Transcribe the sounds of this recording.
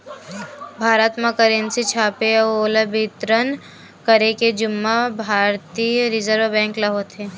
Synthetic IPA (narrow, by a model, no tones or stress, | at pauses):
bʱaːɾət̪məkəɾẽnsit͡ʃʰaːpeoːləbɪt̪ɾən | kəɾeked͡ʒʊmːabʱaːɾt̪iːɾɪzəɾʋəbɛ̃ːŋklɐɦot̪ʰeː